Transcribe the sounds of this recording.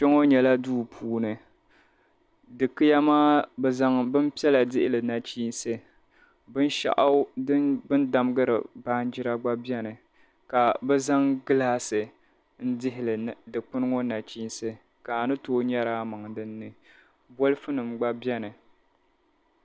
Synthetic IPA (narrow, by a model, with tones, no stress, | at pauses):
t͡ʃɛ˦ŋo˦ɲɛ˨la˦duː˦pʰuː˦nɨ˨ | dɨ˨kɨ˦ja˦maː˦bɛ˨za˦ŋbɨ˦m˦pi˦ɛ˦la˨dɪ˦ʔɪ˦lɨ˨na˨t͡ʃiː˦nsɨ˦ | bɨ˦n˦ʃa̰˦ʔa˦ʊ˦bɨ˦nda˨m˦ɡɨ˦ɾɨ̰˨ba˦hn˦d͡ʒɪ˦ɾa˦ɡ͡ba˦bjɛ˦nɨ˨ | ka˨bɛ˦za˦ŋɡɨ˦laː˦sɨ˨ | n̩˦dɪ˦ɦɪ˨lɨ˨dɨ˨k͡pɨ˦nɨ˦ŋo˦na˨t͡ʃi˦nsɨ˦ | ka˨nɨ˦toː˦ɲɛ˦ɾaː˦ma˨ŋ˨dɨ˦nːɨ˨ | bo˦lɨ˦fɨ˦nɨ˨mɡ͡ba˦bjɛ˦nɨ˨